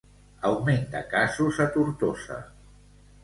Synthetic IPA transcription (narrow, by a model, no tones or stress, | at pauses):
əwment̪akasuzət̪uɾt̪osə̰